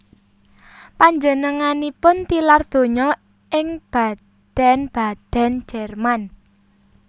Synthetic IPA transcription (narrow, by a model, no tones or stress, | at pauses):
paɲd͡ʒənəŋanipʊnt̪ilard̪̥o̤ɲɔ | ʔɪŋb̥a̤ | d̪̥ɛ̤nb̥a̤d̪̥ɛ̤n̥d͡ʒ̥ɛrman